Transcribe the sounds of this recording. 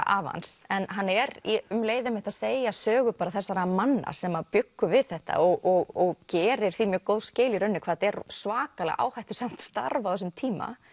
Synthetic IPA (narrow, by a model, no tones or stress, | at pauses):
ʔa̰ːva̰nsɛnɦanːɛɾiʏmleːjðɪmɪht̪aðseːjasœːɣʏpaːɾaθɛsːaɾamanːa̰sɛmapjʏkːʏvɪðθɛht̪a̰ɔɣɔɣɔɣcɛːɾɪɾ̥θimjœːɾkoːwðscɪːliɾœnːʏkʰvaːðt̪ɛɾsvaːkalɛ̰ɣʔa̰ːwhajht̪ʏ̥sam̥t̪st̪a̰ɾvawθɛsʏmt̪ʰiːma̰